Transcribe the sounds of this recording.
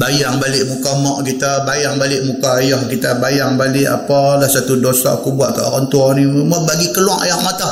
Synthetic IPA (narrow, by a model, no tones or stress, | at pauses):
bajaŋbalɪʔmukamɔʔkit̪abajaŋbalɪʔmukaːjɔhkit̪abajaŋbalɪʔa̰palahsat̪udosa̰kubuaʔ̪̚ka̰ʔoɣant̪uɔnimabaɡikəlwaʔajɔʔmat̪a